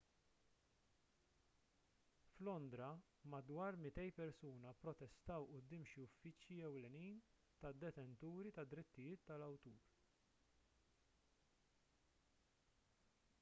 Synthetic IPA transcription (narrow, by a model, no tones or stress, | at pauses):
flɔnd̪ɾɐ | mɐd̪wɐːɾmɪt̪ɛjpɛɾsuːnɐpɾɔt̪ɛst̪ɐwʔʊd̪ːɪːmʃiʊfːɪt͡ʃjiɛwlɛniːn | t̪ɐd̪ːɛt̪ɛnt̪uːɾit̪ɐd̪ːɾɪt̪ːɪjɪːt̪ːɐlɐwt̪uːɾ